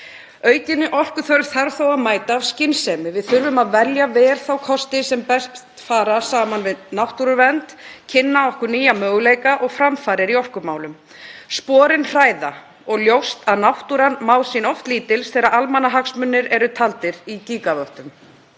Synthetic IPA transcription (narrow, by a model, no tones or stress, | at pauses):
œːɥcɪnːɪʔɔr̥kʏθœɾv̥θaɾvθowaðmaːjt̪aːvscɪnsɛmɪvɪðθʏɾvʏmaðvɛljavɛːɾ̥θawkʰɔst̪ɪsɛmpɛst̪faːɾasaːmanvɪðnawht̪uɾʏvɛnt̪cʰɪnːaɔhkʏɾniːjamœːɣlejkaʔɔɣfɾamfaːɾɪɾiɔr̥kʏmaːwlʏm | spɔːɾɪnr̥aːjða | ɔɣljowst̪aðnawht̪uɾanmaːwsinɔft̪liːt̪ɪlsθɛːɾaɾalmanːaɦaksmʏnːɪɾɛɾʏt̪ʰalt̪ɪɾiciːkavœht̪ʏm